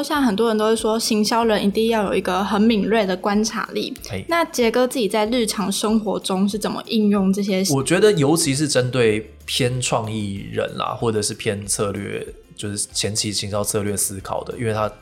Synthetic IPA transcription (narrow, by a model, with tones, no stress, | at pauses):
ɕjɑ˥˩ŋxə˨˩nt̪wɔ˥ɻə˧nt̪o˥ʊʂʂwɔ˥ɕi˧˥ŋɕjɑ˥ʊɻə˧˥ni˧˥t̪i˥˧ŋjɑ˥˩ʊjo˨˩ʊi˧˥ɡə˧xə˧˥nmi˨˩ŋlwe˥˩ɪd̪ə˩kwa˥nʈ͡ʂʰa̰˧˦lḭ˥˩na˥˩t͡ɕjɛ˧˥kɤ˥t͡sɹ̩˥˩t͡ɕi˨˩t͡sa˥˧ɪl̩˥˩ʈ͡ʂʰɑ˧˥ŋʂə˥ŋxwɔ˧˦ʈ͡ʂʊ˥ŋʂ̬ɻ̩˥˩t͡sə˨˩nmə̰˨˦ʔi˥˧njʊ˥˧ŋʈ͡ʂɤ˥˩ɕ̬jɛ˦wɔ˨˩t͡ɕɥɛ˧˥d̪ə˨jo˧˥ʊt͡ɕʰi˧˥ʂ̬ɻ̩˥˩ʈ͡ʂə˦nt̪we˥˩ɪ | pʰjɛ˥nʈ͡ʂʰwɑ˥˧ŋi˥˩ɻə̰˧˦nla̰˨xwɔ˥˩ʈ͡ʂɤ˨˩ʂɻ̩˥˧pʰjɛ˥˧nt͡sʰɤ˥˧lɥɛ̰˥˩ | t͡ɕjo˥˧ʊʂɻ̩˥˩t͡ɕʰjɛ˧˥nt͡ɕʰi˧˥ɕi˧˥ŋɕjɑ˥ʊt͡sʰɤ˥˧lɥɛ˥˩sɹ̩˦˥kʰɑ̰˨˩ʊd̪ə̰˦i˥nwɪt̪ʰa˦˥